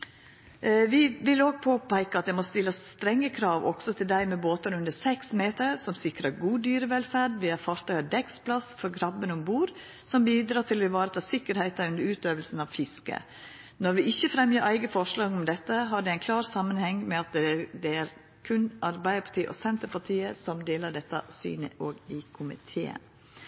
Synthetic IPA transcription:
ʋɪʋɪloːɡ̚pʰoːpæɪkəɑt̪̚d̪ɛmɔst̪ɪlːəst̪ɾɛŋːəkʰɾɑːʋɔ̰ɡ̥sɔt̪ʰɪld̪æɪmɛboːt̪əɾʉnd̪əsɛksmeːt̪əɾsɔmsɪkɾəɾɡuːd̪yːɾəʋɛlfæɖʋɪæɾfɑɾt̪ʰɑʏɑd̪ɛkspʰlɑsfɔɾɡɾɑbːənɔmbuːɾ | sɔmbiːd̪ɾɑːt̪ʰɪlɔɪʋɑːɾət̪ʰɑːsɪkːəɾhæɪt̪əʉnd̪əɾʉːt̪øːʋəlsn̩ɑʋfɪskə̰ | nɔɾʋɪʔɪçːəfɾɛmjəɾʔæɪɡəfɔʂɭɑːɡɔmd̪ɛt̪ːəɦɑɖɛæɪnkʰlɑːɾsɑmːənhɛŋmɛɑt̪̚d̪ɛæɾd̪ɛæɾ | kʰʉnɑɾbæɪd̪əɾpʰɑ̥ʈ̪iːʔɔ̰sɛnt̪əɾpʰɑʈʰiːəsɔmd̪eːləɖɛt̪ːə̰sy̰ːnəʔoːɡɪkʰʊmɪ̰t̪ʰeːə̰n

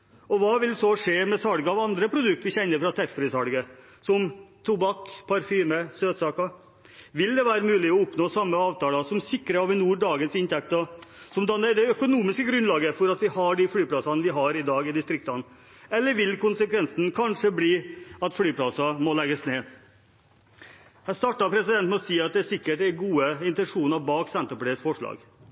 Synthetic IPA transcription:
ɔʋɑːʋɪlsɔʂeːmɛsɑɽɡəɑʋɑnd̪ɾəpʰɾʊd̪ʉkt̪ʋɪçɛnːəɾfɾɑt̪ʰɛɾfɾɪsɑɽɡə | sɔmt̪ʰubɑkpʰɑɾfyːməsøːt̪sɑːkɑ | ʋɪld̪ɛʋæːɾəmʉːlɪɔʊpnoːsɑmːəɑːʋt̪ɑːlɑsɔmsɪkːɾəɑʋɪnuːɖɑːɡənsɪnt̪ʰɛk̚t̪ɔ | sɔmd̪ɑnːəd̪ɛœkʊnuːmɪskəɡɾʉnlɑːɡəfɔɾɑt̪ʋɪhɑɖɪfɽyːpʰlɑsɑnʋɪɦɑɾɪd̪ɑːɡɪd̪ɪst̪ɾɪk̚t̪ɑn | ɛlːəɾʋɪlkʰʊnsəkʰʋɛnsn̩kʰɑnʂəbliːɑt̪flyːpʰlɑsɑmɔlɛɡəsneː | hæst̪ɑːʈːɑpʰɾɛsɪd̪ɛnt̪mɛɔsiːɑt̪̚d̪ɛæsɪkːəʈɛɡuːəɪnt̪ɛnʂuːnɑbɑːksɛnt̪əɾpʰleːsfɔʂɭɑ̰ːɡ

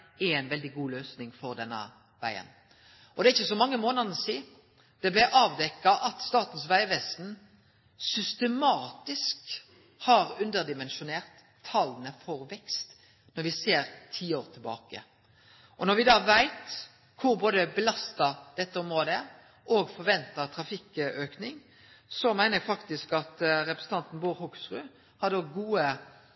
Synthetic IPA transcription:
ææɪnʋɛld̪ɪɡuːløːsnɪŋfɔʁd̪ɛnːə̰ | ʋæ̰ɪə̰n | ʔɔd̪ɛæɪçːəsɔmɑŋːəmoːnɑd̪siː | d̪̥ɛblæʔɑːʋd̪ɛkːɑʔɑt̪st̪ɑːt̪n̩sʋæɪʋɛst̪n̩ | sʏst̪əmɑːt̪ɪsk | hɑːɾʉnd̪əʁd̪ɪmɛnʃʊneːʁt̪ʰː | ɑlnəfɔɾʋɛkst̪ | nɔɾʋɪseːɾt̪ʰiːoːʁt̪ʰɪlbɑ̰ːkə̰ | ʔɔnɔɾʋɪd̪ɑːʋæɪt̪ | kʰʊɾboːd̪əbəlɑst̪ɑd̪̥ɛt̪ːəɔmɾoːd̪əə | ʔoːɡfɔɾʋɛnt̪ət̪ʰɾɑfɪkøːknɪŋ | sɔmæɪnəɛɡfɑkt̪ɪskɑt̪ɾɛpɾəsn̩t̪ɑnt̪n̩buːɾhʊksʁʉː | hɑd̪əɔɡuːə

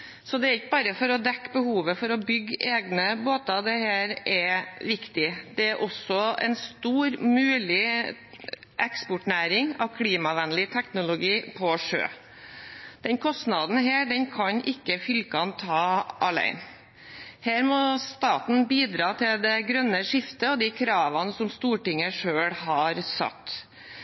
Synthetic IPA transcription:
sɔd̪ɛæɾɪkːəbɑːɾəfɔɾɔd̪ɛkːbəhuːʋəfɔɾɔbʏɡːeːɡnəboːt̪ɑd̪ɛheːɾɛʋɪkt̪ɪd̪̥ɛæɾʔɔsɔɛ̰nst̪uːɾmʉːlɪ | ʔɛkspʊʈnæːɾɪŋɑ̰ʋkʰliːmɑʋɛnlɪt̪ʰɛknʊlʊɡiːpʰɔʂø̰ː | d̪̥ɛnkʰɔst̪nɑd̪n̩ɦeːɖɛnkʰɑɲʔɪkːəfʏlkɑnt̪ʰɑːʔɑlæ̰ɪn | heːɾmɔst̪ɑːt̪n̩biːd̪ɾɑːt̪ʰɪld̪ɛɡɾœnːəʂɪft̪əɔd̪ikʰɾɑːʋɑnəsɔmst̪uːʈɪŋːəʂøːɽhɑɾsɑ̰t̪ː

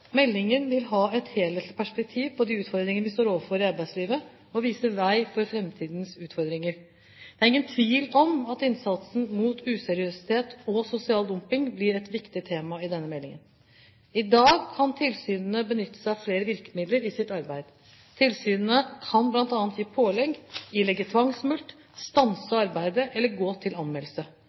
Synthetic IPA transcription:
mɛlːɪŋənʋɪlɦɑːɛt̪heːlɛt̪pʰæʂpɛk̚t̪ʰiːʋpʰɔd̪iʉːt̪fɔɾd̪ɾɪŋənəʋɪst̪oːɾoːʋəfɔɾɪɑɾbæɪsliːʋə | ɔʋiːsəʋæɪfɔɾfɾɛmt̪ʰiːd̪nsʉːt̪fɔɾd̪ɾɪŋəɾ | d̪ɛæɾɪŋːənt̪ʰʋiːlɔmɑt̪ɪnsɑt̪sn̩muːt̪ʉːsɛɾɪøsɪ̥t̪ʰeːt̪ɔsʊsɪɑːld̪ʊmpɪŋblɪɾɛt̪ʋɪkt̪ɪt̪ʰeːmɑɪd̪ɛnːəmɛlːɪ̰ŋə̰n | ɪd̪ɑːɡkʰɑnt̪ʰɪlsyːnn̩əbənʏt̪ːə̥sæɪfleːɾəʋɪɾkə̥mɪd̪ləɾɪsɪt̪ɑɾbæɪd̪̥ | t̪ʰɪlsyːnənəkʰɑnblɑnt̪ɑːnt̪jiːpʰoːlɛɡjiːlɛɡːət̪ʰʋɑŋsmʉlt̪ | st̪ɑnsəɑɾbæɪd̪əʔɛlːəɾɡoːt̪ʰɪlɑnmɛləsə

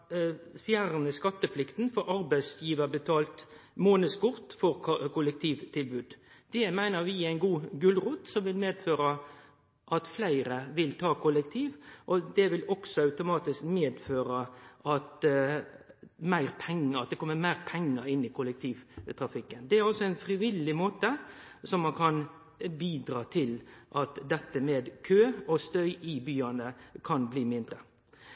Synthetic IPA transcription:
fjæːɾnəskɑt̪ːəplɪkt̪n̩fɔɾɑɾbæɪsjiːʋəɾbət̪ʰɑːlt̪moːnəskʊʁt̪fɔɾkʊlɛk̚t̪ʰiːʋt̪ʰɪlbʉːd̪d̪̥ɛmæɪnəʋɪæɪnɡuːɡʉlʁuːt̪sɔmʋɪlmeːd̪føːɾə | ʔɑt̪flæɪɾəʋɪlt̪ʰɑːkʰʊlɛkt̪ʰiːʋʔɔd̪ɛʋɪlɔɡ̥sɔɑʉt̪ʊmɑːt̪ɪskmeːd̪føːɾəʔɑt̪ | mæɪɾpʰɛŋːəɑt̪̚d̪ɛkʰɔmːəɾmæɪʁpʰɛŋːəɾɪnːɪkʰʊlɛkt̪ʰiːʋt̪ʰɾɑfɪkːənd̪ɛæɾɑlsɔɛɪnfɾɪʋɪlːɪmoːt̪əsɔmːɑnkʰɑn | biːd̪ɾɑːt̪ʰɪlʔɑt̪d̪ɛt̪ːəmeːd̪kʰøːɔst̪œʏʔɪbyːɑnəkʰɑnbliːmɪnd̪ɾə

